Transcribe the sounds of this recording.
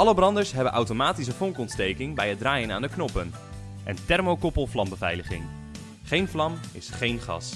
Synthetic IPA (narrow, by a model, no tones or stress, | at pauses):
ɑləbrɑndəɹsɦɛbənʔawtomaːtis̬əfɔŋkɔntstejkɪŋbɛjədraːjənaːndəknɔpən | ʔɛ̰ntɛɹmowkɔpəlˠflɑmbəvɛ̰jləχɪ̰ŋ | χejnflɑmɪsχejnχɑ̰s